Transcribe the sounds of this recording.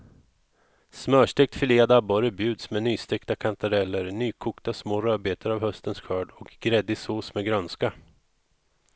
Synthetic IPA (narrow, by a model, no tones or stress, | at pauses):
smœːʂʈɛk̚t̪fɪleːd̪abɔɾəbjʉ̟ːd̪smɛnyːst̪ɛkt̪akʰant̪ʰaɾɛlːəɾnyːkʰʊːkt̪asmoːɾœːbeːt̪ʰəɾavhœst̪ənsɧœːɖɔkɡɾɛd̪ːɪsoːsmɛɡɾœnska